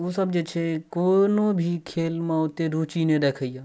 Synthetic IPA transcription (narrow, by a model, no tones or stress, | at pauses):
usəbd͡ʒet͡ʃʰekoːnobʱikʰeːlmãʊt̪eɾuːt͡ʃinedekʰəjaː